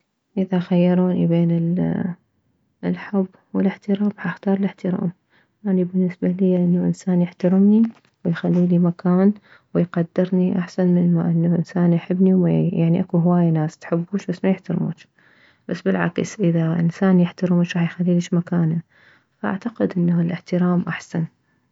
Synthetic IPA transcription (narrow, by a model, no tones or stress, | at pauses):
ʔɪðaxajːɑɾˤuːnibeːnɪl | lħʊbːwɪlɪħt̪ɪɾaːmħaʔxt̪ɑːɾˤɨlɪħt̪ɪɾa̰ːm | jaʕnibɪnːɪsbalɪjʔɪnːaʔɪ̰nsaːnjɪħt̪aɾɪmni | wɪjxalːiːlimakʰaːn | wɪjqad̪ːɪɾˤniʔaħsanmɪnmaʔɪnːaʔɪ̰nsaːnjħɪbːniwma̰jaʕniʔakuɦwaːjːanaːst̪ħɪbːuːʃbasːmajɪħt̪aɾmṵːt͡ʃ | basːbɪlʕa̰ksʔɪðaʔɪ̰nsaːnjɪħt̪ɪɾɪmuʃɾˤɑːħjxalːiːliːʃmakaːna | faʔa̰ʕt̪aqɪd̪ʔɪnːalʔɪħt̪ɪɾaːmʔaħsan